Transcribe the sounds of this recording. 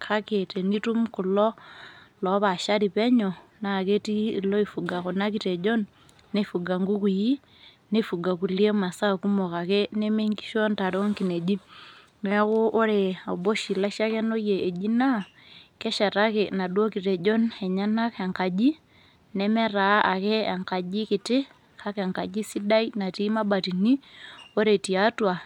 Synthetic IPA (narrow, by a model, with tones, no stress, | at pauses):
kʰa˦ke˨te˨ni˦tu˦mku˨lɔ˦lɔ˦βa˨ʃa˦ɾi˨pɛ˦ɲo˨na˨ke˦tiː˦˨lɔ˦i˦fu˨ɡa˨ko˨na˦k̬i˦te˨d͡ʒo˦nː | e˦fu˨ɡa˨ŋɡu˦ku˨ji˦ | ne˦fu˨ɡa˨ku˨lje˦ma˨sa˦˨ku˦mo˨ka˨ke˦ne˦me˦ŋɡi̥˦ʃo˦nta˨ɾe˦o˦ŋki˨ne˨d͡ʒi˦ | nɛ˦ɣo˦ʔɔ˦ɾɛa˨bɔ˦ʃi˨la˦ʃa˦kɛnɔ˦jɛː˨d͡ʒi˦na˦ | kɛ˦ʃa˨ɾa˦kɛna˨ɗɔ˦kiɾɛ˨d͡ʒɔ˦nɛ˨ɲa˦na˦ka˨ŋka˨ʄi˦ | nɛmɛ˦ɾa˨a˨kɛ˦a˨ŋka˨ʄi˦kɪ˨tɪ˦ | ka˦kɛ˨ŋka˨d͡ʒi˦si˦da˦ina˨ti˦ma˦ba˨ti˨ni˦ɔ˦ɾɛ˨ti˨atwa˨